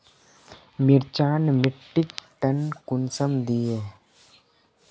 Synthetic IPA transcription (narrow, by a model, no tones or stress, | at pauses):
mɪɾt͡ʃaːnmɪʈːɪkʈənkʊnsəmd̪iːeː